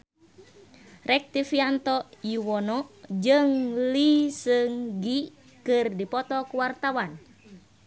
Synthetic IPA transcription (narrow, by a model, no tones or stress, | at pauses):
rɛk̚t̪ifiant̪ɔjiwɔnɔd͡ʒɨŋlisəŋɡi | kɨrdipɔt̪ɔkuwart̪awan